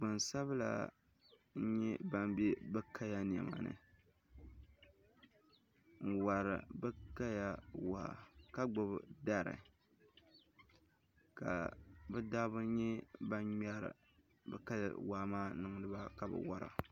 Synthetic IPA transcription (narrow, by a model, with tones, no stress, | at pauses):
ɡ͡bɨ˨nsa˦βla̰˨ | n̩˦ɲɛ˦ba˦mbe˦bɨ˦kʰa˦ja˦n˨ɛ̰˨ma̰˨nɨ̰˨ | ŋ̩˨wa˨ɾɨ̰˨bɨ˦ka˦ja˦wa˨ha̰˨ka˦ɡ͡bʊ˨bda˦ɾɨ̰˨ | ka̰˨bɛ˦daː˦bʊ˦ɲɛ˦ba˦ɲa˦ɾ̰ | bɨ̰˦ka˦ja̰˨wa˨˦maː˦nɨ˨ŋ˦nɨ˦ba˦ka˨bɨ̰˨wa˦ɾa̰˨